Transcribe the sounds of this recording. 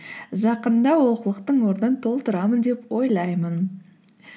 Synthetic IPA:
ʒɑqənd̪ɑwo̞lˠqəlˠəqt̪əɴwo̞ɾənənt̪ʰo̞lˠt̪əɾɑmənd̪e̞pwo̞jlˠɑjmən

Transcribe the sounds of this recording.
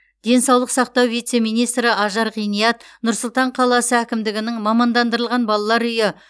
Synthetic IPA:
d̪̥e̞nsɑwlˠəqsɑq̚t̪ɑwvijt̪se̞mijnijst̪ɾɪʔɑʒɑɾʁijnijɑt̪nʊɾsʊlˠt̪ɑɴqʰɑlˠɑsəækʲɪmd̪ɪɡʲɪnɪŋmɑmɑnd̪ɑnd̪əɾəlˠʁɑnbɑlˠɑlˠɑɾʏjɪ

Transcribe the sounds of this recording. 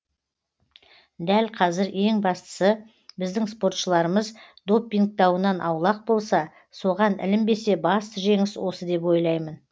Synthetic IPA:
d̪ælqʰɑzɪɾe̞ŋbɑst̪ə̥sə | bɪzd̪ɪŋspo̞ɾt̪ʃəlˠɑɾəməzd̪o̞pʲːiŋk̚t̪ɑwənɑnʔɑwlˠɑq̚bo̞lˠsɑ | so̞ʁɑnɪ̰lɪmbe̞se̞bɑst̪əʒe̞ŋɪswo̞səd̪e̞p̬wo̞jlˠɑjmən

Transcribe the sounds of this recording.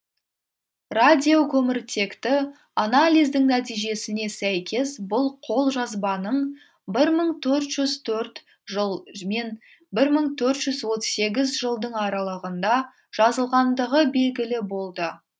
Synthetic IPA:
rad̪ʲijokʰɵmɪɾt̪ʰe̞kt̪ɪ | analʲijzd̪ɪŋnæt̪ijʒe̞sɪne̞sæjkʲe̞sbʊlˠqʰo̞lˠʒɑzbɑnəɴ | bɪɾməɴt̪ʰɵɾt̪ʒ̥ʏzt̪ʰɵɾt̪ | ʒəmen | bɪɾməɴt̪ʰɵɾt̪ʒ̥ʏzwo̞t̪se̞ɡʲɪzʒəlˠd̪əɴɑɾɑlˠəʁənd̪ɑ | ʒ̥ɑzəlˠʁɑnd̪əʁəbe̞lɡʲɪlɪbo̞lˠd̪ə

